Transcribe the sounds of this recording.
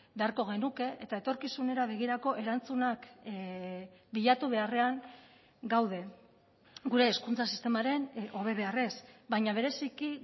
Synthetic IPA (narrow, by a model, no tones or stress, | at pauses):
be̞aɾko̞ɣ̞e̞nuke̞ʔet̪aet̪o̞ɾkisune̞ɾaβe̞ɣ̞iɾako̞ʔe̞ɾant͡sunak | biʎat̪uβ̞e̞are̞aŋ | ɡawð̞e̞ | ɡuɾe̞ːskunt͡sasist̪e̞maɾe̞nʔo̞βe̞βe̞are̞sbajɲaβ̞e̞ɾe̞siki